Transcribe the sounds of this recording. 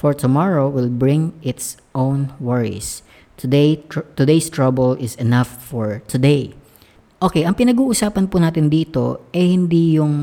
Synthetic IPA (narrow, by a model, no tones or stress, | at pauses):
fɔɹt̪ʊmɑɹowɪlbɹɪ̃ŋʔɪt̪s | ʔõwnwɛɹḭs | t̪ʰʊd̪ejt̪ʊd̪ejst̪ɹɐbɛlɪsɛnɐfːɔɹt̪ʰʊd̪ej | ʔokejʔɐŋpɪnɐɡuːʔʊsaːpɐnpʊnaːt̪ɪnd̪iːt̪o̞̰ʔɛhɪnd̪ijʊŋ